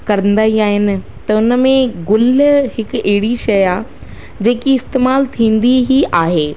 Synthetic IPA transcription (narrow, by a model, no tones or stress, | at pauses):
kɐɾə̃nd̪aːiaːɦɪnɪ̆ | t̪ɐʊnə̆mẽɡʊlɦɪkɛɦɪɽiʃɐjaː | d͡ʑeːkiɪst̪eːmaːlt̪ʰĩːn̆d̪iɦiʔaːɦeː